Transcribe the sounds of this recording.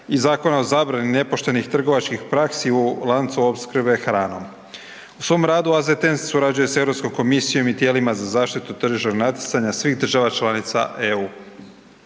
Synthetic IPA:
izaːko̞nao̞zaːbɾanine̞po̞ʃt̪e̞nixt̪r̩ɡo̞ʋat͡ʃkixpɾaksiulˠant̪suo̞pskr̩be̞xɾaːno̞̰m | usʋo̞mɾaːd̪uazet̪enssuɾad͡ʑuje̞se̞vɾo̞psko̞mko̞misijo̞mit̪je̞ːlimazazaːʃt̪it̪ut̪r̩ʒiʃt̪onat̪jet̪saɲasʋiːxd̪r̩ʒaʋat͡ʃlˠanit̪sa̰ʔeuː

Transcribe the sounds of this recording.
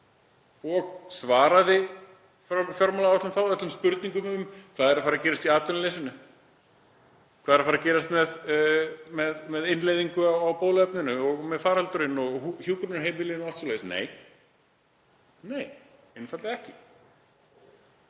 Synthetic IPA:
ɔɣsvaːɾaðɪ | ffjɔɾmalawat̪lʏmθawvɛt̪lʏmspʏɾt̪niŋkʏmʏmkʰvaːðɛɾafaɾacɛːɾast̪iaːt̪ʰʏnɪlejsɪnːʏ | kʰvaːðɛɾafaɾacɛːɾast̪mɛð | mɛðmɛðɪnlejðiŋkʏawawpoːðlɛp̚nʏnʏɔɣmɛðfaːɾalt̪ʏɾɪnɔɣhuçuːkɾʏnʏɾɦeːjmɪlɪːnalt̪soleːɪsnḛːj | neːj | ɪnfat̪laɛhcɪ

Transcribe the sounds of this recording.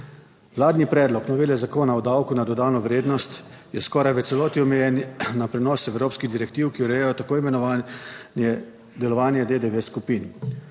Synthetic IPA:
ʋlaːd̪nipɾɛːd̪lɔknɔʋeːljɛzakoːnaɔd̪awkunad̪ɔd̪aːnɔʋɾeːd̪nɔst̪ | jɛskɔːɾajʋət̪sɛlɔːt̪iɔmɛjɛnnapɾɛnɔːsɛwɾoːpskiɣd̪iɾɛkt̪iːwkiɔɾɛjɛjɔt̪akoːimɛnɔʋanjɛ | d̪ɛlɔʋaːnjɛd̪ed̪eʋeskupin

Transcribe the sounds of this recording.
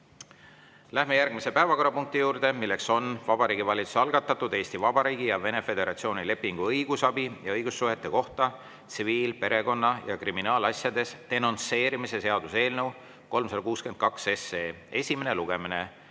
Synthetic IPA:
læhme̞jærɡ̥mise̞pæevɑko̞ɾːˑɑpuŋk̚t̪ijuːɾd̪̥e̞milːe̞kso̞nvɑb̥ɑɾiːɡivɑlʲit̪su̥seɑlɡ̥ɑt̪ːˑɑt̪ːˑud̪e̞ːst̪ivɑb̥ɑɾiːɡ̥ijɑve̞ne̞fe̞d̪e̞ɾɑ̰t̪sio̞ːnile̞pːiŋɡ̥uɤjɡ̥usɑbijɑɤjɡ̥usːuɦet̪ːˑe̞ko̞ht̪ɑ | t̪siviːlpe̞ɾe̞ko̞nːɑjɑkriminɑːlɑsjɑd̪e̞st̪e̞no̞nse̞ːɾimise̞se̞ɑd̪use̞ːlnɤw | ko̞lmsɑd̪ɑkuːske̞nd̪̥̚kɑkse̞se̞ː | e̞sʲime̞ne̞luɡ̥e̞mine̞

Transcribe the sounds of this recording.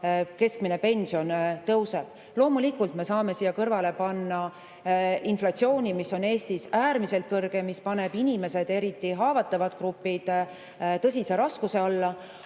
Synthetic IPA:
ke̞sk̚mine̞pe̞nʲsio̞nt̪ɤwse̞b̥ | lo̞ːmulikult̪me̞sɑːme̞siːjɑkɤrvɑle̞pɑnːɑ | inflɑt̪sio̞ːnʲimisːo̞ne̞ːst̪isæːɾmise̞lt̪̚kɤrɡ̥e̞mispɑne̞b̥inʲime̞se̞d̪̥e̞ɾit̪ˑːiɦɑːvɑt̪ːˑɑvɑt̪krupːid̪̥ | t̪ɤs̬ʲise̞ɾɑskuse̞ɑlːɑ

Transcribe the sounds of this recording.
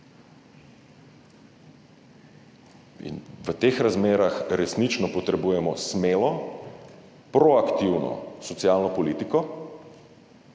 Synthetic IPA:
ḭnʋət̪eːxɾazmeːɾaxɾɛsnit͡ʃnɔpɔt̪ɾɛbujɛmɔsmeːlɔ | pɾɔakt̪iwnɔ̰sɔt̪sjalnɔpɔliːt̪ikɔ

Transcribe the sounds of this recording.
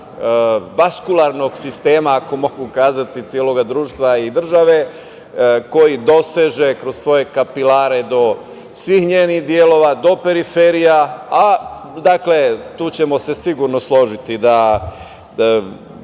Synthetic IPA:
baskulˠaɾno̞ɡsist̪e̞ːmaːko̞mo̞ɡukaːzat̪it̪sjeːlˠo̞ɡad̪ɾuːʃt̪ʋaid̪r̩ʒaʋe̞ | ko̞jid̪o̞seʒe̞kɾo̞zsʋo̞je̞kapilaːɾe̞d̪o̞ | sʋixɲeːnixd̪jelo̞ʋad̪o̞pe̞ɾife̞ɾijaa | d̪akle̞t̪uːt͡ɕemo̞se̞siɡuɾno̞slo̞ʒit̪id̪a

